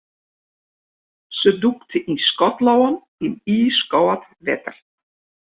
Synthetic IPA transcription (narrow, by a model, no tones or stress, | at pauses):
səd̪ukt̪ʰəʔiskɔt̪lawan | iniːskɔwat̪ | vɛ̰t̪ə̰r